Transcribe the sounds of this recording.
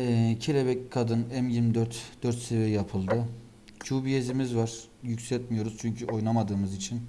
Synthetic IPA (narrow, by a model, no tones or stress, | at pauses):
ɛcʰelʲebɛckʰːad̪ɯnɛmjiɾmid̪øɾt̪d̪̥øɾt̪sevɛjjapʰɯlˠd̪ɯ | cʰuːbijezimizvaɾ̥ | jycsɛt̪mijo̞ɾuz̥t͡ʃʰyɲcʰyʔo̞jnamad̪ɯːmɯzit͡ʃʰin